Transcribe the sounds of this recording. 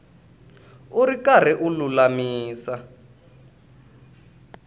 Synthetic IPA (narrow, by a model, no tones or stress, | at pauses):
uɾikar̤ɛʔululamiːsa